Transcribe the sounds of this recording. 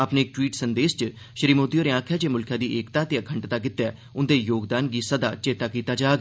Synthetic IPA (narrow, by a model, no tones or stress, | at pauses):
apneːk̚ʈwiːʈsənd̪eːʃt͡ʃə | ʃɾiːmoːd̪ijoːɾeãːkʰjaːd͡ʒeːmʊlkʰjãːd̪iːʔeːkt̪aːt̪eəkʰəɳʈt̪aːkɪt̪ːɛː | ʊnd̪eːjoːɡd̪aːnɡiːsəd̪a̰ːt͡ʃeːt̪aːkiːt̪aːd͡ʒaːɡ